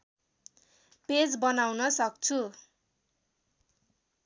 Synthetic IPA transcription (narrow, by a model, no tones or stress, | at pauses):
ped͡zbʌnawnʌsʌk̚t͡sʰu